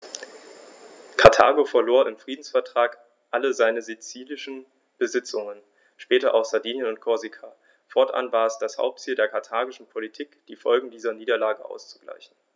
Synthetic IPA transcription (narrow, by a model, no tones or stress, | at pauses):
kʰaɐtʰa̰ːɡofɛɐloːɐʔɪmfʁ̥iːdn̩sfɛɐtʁ̥aːk | ʔaləzaɪnəzet͡siːlɪʃn̩ | b̥əzɪt͡sʊŋən | ʃpɛːtɐʔa̰ʊxz̥aɐdiːnjənʊntkʰɔɐzikʰa | fɔɐtʔa̰nvaːɛsd̥asha̰ʊp̚tt͡siːldeːɐkʰaɐtʰaːɡɪʃn̩pʰolitʰiːkd̥iːfɔlɡŋ̩diːzɐniːdɐlaːɡəʔa̰ʊst͡su̥ɡla̰ɪçn̩